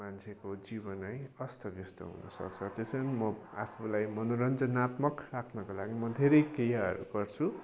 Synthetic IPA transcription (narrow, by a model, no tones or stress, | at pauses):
mant͡sʰekod͡zibʌnajʌst̪ʰʌbjʌst̪ʌ̰ɦṵnʌ̰sʌ̰k̚t͡sʰʌt̪esʌnimʌa̰pʰulajmʌnoɾʌnd͡zʌnat̪mʌkrakʰnʌkolaɡimʌd̪ʱeɾʌjkejaɦʌ̰ɾṵkʌrt͡sʰu